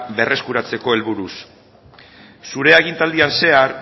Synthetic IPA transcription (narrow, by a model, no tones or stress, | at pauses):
be̞re̞skuɾat͡se̞ko̞e̞lβuɾus | suɾe̞aɣint̪ald̪ianse̞aɾ